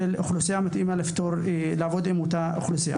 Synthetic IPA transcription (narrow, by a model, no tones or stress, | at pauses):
elxlusijamat̪ʔimaleft̪oɾlaːvod̪emut̪axlusija̰